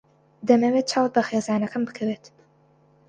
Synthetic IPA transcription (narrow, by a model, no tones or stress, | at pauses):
d̪ɐmɛwet̪̚t͡ʃʰaːwt̪̚bɐxeːzaːnɐkʰɨmbɨkʰɐweːt̪